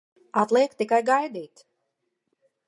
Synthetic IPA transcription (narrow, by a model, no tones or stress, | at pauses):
at̪lˠiɛkt̪ːikajɡajd̪iːt̪